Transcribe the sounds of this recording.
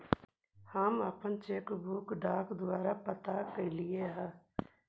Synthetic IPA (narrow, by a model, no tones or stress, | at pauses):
həməpənt͡ʃeːkbʱuːkɖaːkd̪ʊwaːɾapət̪akelieɦɛː